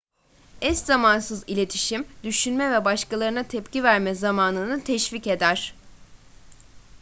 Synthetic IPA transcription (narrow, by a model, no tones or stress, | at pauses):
ɛst̪zamansɯzilʲe̞t̪ʰiʃimd̪yʃynmɛvɛbaʃkalˠaɾɯnat̪ʰɛpcivæɾmɛzamaːnɯnɯt̪ʰɛʃvice̞d̪æɾ̥